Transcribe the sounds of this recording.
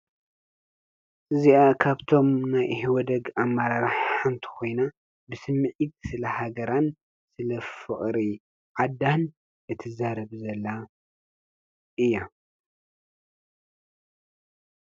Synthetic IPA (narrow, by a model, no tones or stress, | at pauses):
ʔɨziakʰaβt̪ʰo̞mnajhiwɔd̪ɐɡamːaɾaɾaħant̪ʰi̥kʰo̞jna | bɨsɨmːɨʕit̪̚sɨlɐhaɡɐɾan | sɨlɐfɨχʼɾi | ʕad̪an | ʔɨt̪ʰɨzaɾɐβzɐlːa | ʔɨjːa